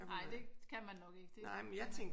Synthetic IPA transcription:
ɑɪ̰d̥ekʰæmænːɒ̽ɡ̥e̝ɡ̥əd̥e̝nɑɪ̰menjɑ̈ɪt͡sʰeŋ̰ɡ

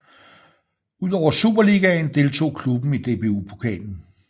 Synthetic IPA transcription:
uð̞̰ˠɒʊɐsub̥ɐliɡ̥æn̩d̥e̝lt͡sʰo̝̰ːkʰlub̥n̩id̥e̝be̝upʰo̥kʰɛ̰ːln̩

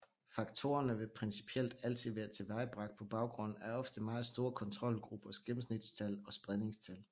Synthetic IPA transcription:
fɑ̈ɡ̥t͡sʰo̝̰ːɐnəʋe̝pʰʁɛnsi̥pʰiel̰d̥æl̰t͡sʰiðˠʋæːɐt͡sʰe̝ʋɑ̈ɪb̥ʁɑɡ̥̚d̥̚pʰɒ̽b̥ɑ̈ʊɡ̥ʁɔ̽n̰n̩æɐɒ̽fd̥əmɑ̈ːð̩ˠsd̥o̝ːɐkʰɒ̽nt͡sʰʁɒ̽l̰ɡ̥ʁub̥ɐsɡ̥emm̩snid̥st͡sʰælɒ̽sb̥ʁene̝ŋst͡sʰæl

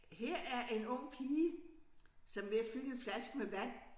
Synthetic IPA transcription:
heɐ̰æɐʔe̝nɔ̽ŋ̰pʰiːə | sɒ̽mʋe̝æfyləflæsɡ̥̚meʋæn̰

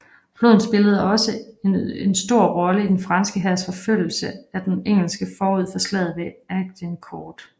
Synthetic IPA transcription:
b̥lo̝ðˠn̩sb̥e̝ləð̞̩ˠɒ̽səe̝nsd̥o̝ɐ̰ʁɒ̽ləid̥enfʁɑ̈nsɡ̥əɦæ̰sfɒ̽føl̰l̩səæd̥eneŋ̰l̩sɡ̥əfɒːuð̰ˠfɒ̽slɛ̰ð̩ˠʋe̝æɡ̥̚d̥enkʰɒːd̥

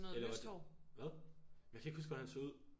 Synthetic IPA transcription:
nɔːelɐɑdɒ̰ʋæðˠjaɪkʰæeɡ̥husɡ̥ʋæhænsouð̰ˠ

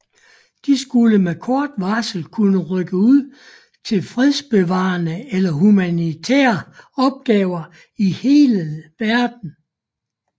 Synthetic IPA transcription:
d̥isɡ̥uləmekʰɒːd̥ʋɑsl̩kʰunəʁœɡ̥əuð̰ˠ | t͡sʰe̝lfʁiðˠsb̥e̝ʋɑ̈ːnəelɐɦumænit͡sʰɛ̰ːɐɒ̽b̥̚ɡ̥ɛːʊɐ | ihe̝ːləʋæɐd̥n̩

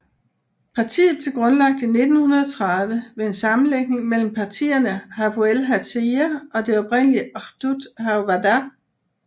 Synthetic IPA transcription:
pʰɑ̈t͡sʰḭːð̩ˠb̥le̝ɡ̥ʁɔ̽nlɑ̈ɡ̥̚d̥ine̝d̥n̩hunɐð̞ˠɒ̽t͡sʰʁɑðˠʋəʋe̝e̝nsɑ̈mn̩leɡ̥ne̝ŋmel̰m̩pʰɑ̈t͡sʰḭːɐnəhæfuelɦæt͡sʰeæɒ̽de̝ɒ̽b̥ʁɛn̰liəʁd̥ud̥haʋædæ

